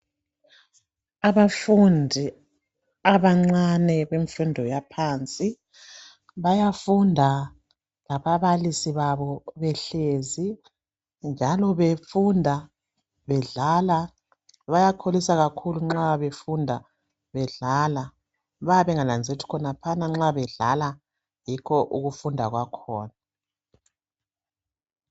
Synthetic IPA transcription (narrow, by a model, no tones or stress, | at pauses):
aβafundʱi | aβaŋ͡ǀanɛβeɱfundʱɔjapʰaːnt͡sʼi | βajafundʱa | laβaβalisiβaβɔβɛɬezi | nd͡ʒʱalɔβefundʱa | βɛɮala | βajakʰolisaɣakʰuluŋ͡ǁaβefundʱa | βɛɮaːla | βaβɛŋanand͡zʱetʰi̥kʰɔnapʰanaŋ͡ǁaβɛɮa̰la | jikʰɔʔuɣufundʱa̰ɣwakʰɔːna